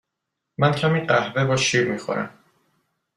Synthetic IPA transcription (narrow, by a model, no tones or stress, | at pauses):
mæncʰæmiːɢæhvebɒːʃiːɾmixo̰ɾæ̰m